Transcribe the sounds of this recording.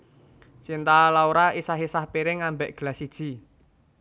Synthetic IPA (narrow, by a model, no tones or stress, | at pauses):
sint̪alauɾaisaɦisahpiɾɪŋambɛʔɡ̥əlasid̥ʒ̥i̤